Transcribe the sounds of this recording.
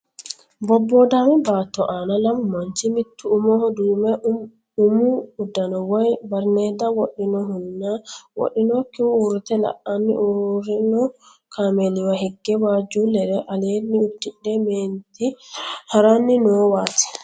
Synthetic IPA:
bɔbːɔdamɛbat̪ːɔʔanalammant͡ʃimit̪ʰːuːmɔhɔduːmɛ | umuudːanɔwɔjbaɾnɛdawoɗːinɔɦunːawo̰ɗinɔkːimuɾit̪ɛla̰ʔanːḭʔuɾinɔ | kʰamɛliwaɦiɡːɛwaːd͡ʒulɛɗɛʔalenːiudːiɗːɛment̪ihaɾanːinɔwat̪i̥

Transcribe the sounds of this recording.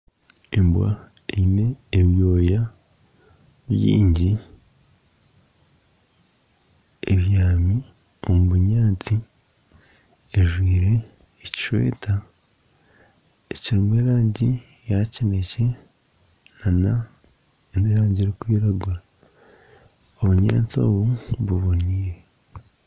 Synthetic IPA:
embwa̰ | eine̞ːβjo̞ːja | βjḭːɲɟi | ḛβjaːmi | o̞muβuɲaːt͡si | eʒwiːɾe̞ː | ci̥ʃwḛːtʰa | eciɾimweːɾaːɲɟi | jacinece̞ | nana | eneɾaːɲɟieɾikwiːɾaɡuɾa | oβuɲa̰ːt͡so̞̰ːβuβuβoniːɾe

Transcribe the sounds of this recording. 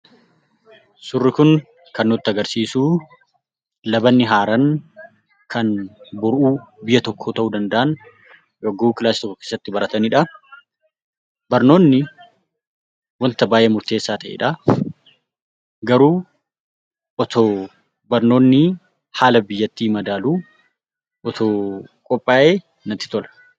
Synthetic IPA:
sʊrːɪkʊn | kɐnːʊt̪ːɪɐɡɐɾsiːsuː | lɐbɐnːɪɦaːɾɐn | kʰɐnbʊɾʔuːbɪjɐt̪ɔkʰːoːt̪ɐʔuːd̪ɐnd̪ɐʔɐn | joɡuːkɪlaːsːɪt̪ɔkːɔkeːsːɐt̪ːɪbɐɾɐt̪ɐnɪᶑɐ | bɐɾno̞ːnːɪ | wɐnt̪ɐbaːʔeːmʊɾt̪e̞ːsːaːt̪ɐʔḛᶑɐ | ɡɐɾuː | ʔɔt̪oː | bɐɾno̞ːnːɪ | haːlɐbɪjːɐt̪ːiːmɐd̪aːluː | ʔɔt̪ʰoːkʼɔpʼːaːʔeː | nɐt̪ːɪ̥t̪ɔlɐ̥

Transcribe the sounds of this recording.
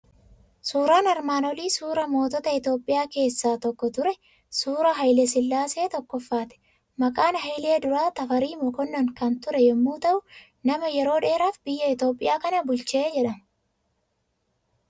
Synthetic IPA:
suːɾaːnɐɾmaːnɔliːsuːɾɐmo̞ːt̪ɔt̪ɐɪt̪jo̞ːpʼːɪjaːke̞ːsːaːt̪ɔkːɔt̪ʊɾɛ | suːɾɐɦɐjlɛsɪlːaːse̞ːt̪ɔkːɔfːaːt̪ɛ̥ | mɐkʼaːnɦɐjle̞ːd̪ʊɾaːt̪ɐfɐɾiːmɔkɔnːɐŋkɐnt̪ʊɾɛjɛmːuːt̪ɐʔʊ | nɐmɐjɛɾo̞ːᶑe̞ːɾaːfbɪjːɐɪt̪jo̞ːpʼːɪjaːkɐnɐbʊlt͡ʃe̞ːd͡ʒɛᶑɐm

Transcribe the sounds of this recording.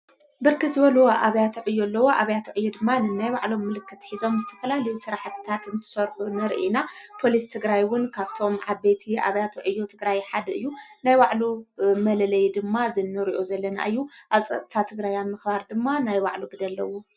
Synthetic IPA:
bɨɾkʰɨzɨβɐlwoʔaβɐjat̪ʰuʕɨjːolːɐwo̞ʔaβɐjat̪ʰuʕɨjːod̪ɨmːanɨnːajbaʕlo̞mːɨlɨkːɨt̪ħizo̞mzɨt̪ʰɐfɐlalɐjusɨɾaħt̪t̪ʰat̪ɨnt̪ʰɨ̥sɐɾħunɨɾ̰ʔinapʰo̞list̪ʰɨɡɾajwʊnkʰaβt̪ʰo̞mʕaβet̪ʰiʔa̰βɐjat̪ʰuʕɨjːot̪ʰɨɡɾajħad̪ɐɨjːunajbaʕlumɐlɐlɐjd̪ɨmːazɨnːɨɾiʔozɐlːɐna̰ʔɨjːuʔaβt͡sʼɐ̰t̪ʼt̪ʰat̪ʰɨɡɾajamːɨxbaɾd̪ɨmːanajbaʕluɡɨd̪ɐlːɐwu

